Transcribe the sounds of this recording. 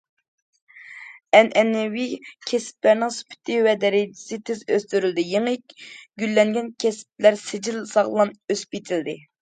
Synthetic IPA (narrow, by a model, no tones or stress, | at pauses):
ɛnʔɛnːɛwikʲʰɛsp̚læɾnɪŋsu̥pʰɪ̥t̪ʰɪwɛd̪ɛɾɪd͡ʒɪ̥sɪt̪ʰɪzøst̪yɾyld̪ɪjeŋkʲɡʲylːɛŋɡʲɛnkʲʰɛsp̚læɾsɪd͡ʒilsɑʁlˠɑnøspit̪ʰɪld̪ɪ